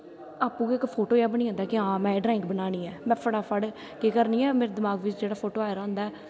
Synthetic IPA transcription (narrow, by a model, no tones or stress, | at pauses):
aːpũːkːɪkːpʰoːʈoːjaːbəñiːãːnd̪aːkɪãːmɛ̃ːɖɾaːɪŋɡbənaːniːɛːmɛ̃ːpʰəɽaːpʰəɽ | kekəɾniːɛːmeːɾeːd̪ɪmaːɡʋɪt͡ʃd͡ʒeːɽaːpʰoːʈoːaːeɾãːnd̪aːɛː